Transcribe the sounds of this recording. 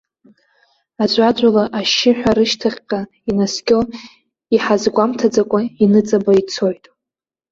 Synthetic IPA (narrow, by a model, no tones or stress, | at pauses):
ad͡ʒʷadʷalaʔaʃɪħʷᶣaɾɨʃtʰaχʲqʼa | inaskʲʼo | iħazɡʷamtʰad͡zakʷʼainɨt͡sʼabait͡sʰo̞jtʼ